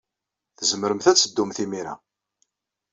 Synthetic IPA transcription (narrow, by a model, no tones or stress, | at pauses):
θəzəməɾəmθæt͡sːəd̪ːumθimiɾa̰